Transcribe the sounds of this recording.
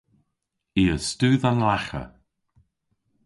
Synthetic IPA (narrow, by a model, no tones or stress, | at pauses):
iːəstʉːðanlaxə̰